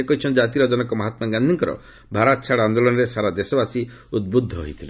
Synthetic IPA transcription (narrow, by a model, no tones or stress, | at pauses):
ekɔɦit͡ʃʰɔnd͡ʒat̪iɾɔd͡ʒɔnɔkɔmaɦat̪maŋɡand̪ʱiŋkɔɾɔ̰ | bʱaɾat̪̚t͡ʃʰaɽand̪olɔnɔɾesaɾad̪esɔbasi | ud̪̚bud̪ʱːɔɦo̰ɦit̪ʰile